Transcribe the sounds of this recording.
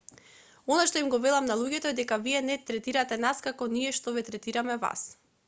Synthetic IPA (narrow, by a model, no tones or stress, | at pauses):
ɔnaʃt̪ɔimɡɔvɛlˠamnalˠuɟɛt̪ɔɛd̪ɛkaviɛnɛt̪ɾɛt̪iɾat̪ɛnaskakɔniɛʃt̪ɔvɛt̪ɾɛt̪iɾamɛva̰s